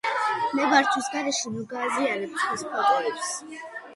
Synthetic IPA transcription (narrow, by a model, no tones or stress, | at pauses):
mɛbaɾt͡ʃ̪ʰwisɡaɾɛʃɛmɔɡaːzialɛpstʰwispʰavɔɾɛps